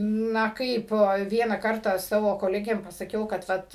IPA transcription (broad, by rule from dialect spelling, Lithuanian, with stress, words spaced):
ˈnɐ ˈkɐɪp ˈʋʲiɛnɑː ˈkɐrtɑː ˈsɑːʋoː koːˈlʲæːɡʲeːm pɐsɐˈkʲɛʊ ˈkɐt